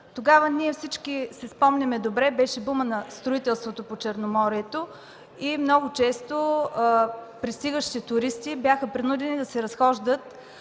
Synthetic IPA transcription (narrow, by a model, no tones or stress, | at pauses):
t̪oɡavəniɛfsit͡ʃkisɛspɔmnʲɐmɛd̪obɾɛbɛʃɛbumənɐst̪ɾoit̪ɛlˠst̪vot̪opot͡ʃɛɾnomɔɾiɛt̪o | imnɔɡot͡ʃɛst̪o | pɾist̪iɡəʃtit̪it̪ʊɾist̪ibjaxəpɾinud̪ɛnid̪ɐsɛɾɐsxɔʒd̪ət̪